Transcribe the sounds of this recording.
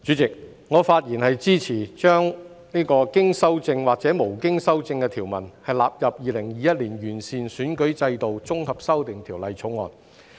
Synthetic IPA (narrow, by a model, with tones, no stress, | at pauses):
t͡ʃy˨˥t͡sɪ˨k̚ | ŋɔː˨˧faː˧t̚jiː˨˩nhɐ˨jt͡siː˥t͡sʰiː˨˩t͡ʃœː˥ŋ | niː˥kɔː˧kɪ˥ŋsɐ˥wt͡sɪ˧ŋwaː˨k̚t͡sɛː˨˥mo˨˩wkɪ˥ŋsɐ˥wt͡sɪ˧ŋkɛː˧t̪ʰiː˨˩wmɐ˨˩nhɐ˨jlaː˨p̚jɐ˨p̚jiː˨˧lɪ˨˩ŋjiː˨jɐ˥t̚liː˨˩njyː˨˩nsiː˨nsyː˨˥nkɵ˨˥ɥt͡sɐ˧jt̪o˨wt͡sʊ˥ŋhɐ˨p̚sɐ˥wt̪ɪ˨ŋt̪ʰiː˨˩wlɐ˨˧jt͡sʰo˨˥ŋɔ̰ː˨n